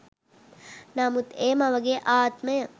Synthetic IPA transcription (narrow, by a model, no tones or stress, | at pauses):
namut̪eːmɐʋɐɡeːʔaːt̪məjə